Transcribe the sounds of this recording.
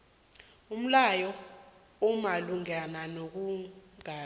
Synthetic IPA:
um̩lajɔ | umaluŋɛnanok̬uŋaː

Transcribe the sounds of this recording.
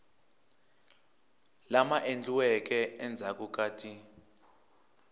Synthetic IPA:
lamaʔend͡ɮuwɛk̬ʼɛɛnd͡zʱakʼuk̬ʼaːtʰi

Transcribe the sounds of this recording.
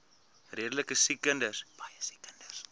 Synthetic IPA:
riədələkəsikəndəsb̥ɐjəsi̥kəndəs

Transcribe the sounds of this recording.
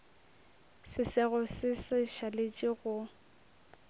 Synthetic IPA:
sɪsɪɣʊsɪsɪʃalet͡ʃʼiɣʊ

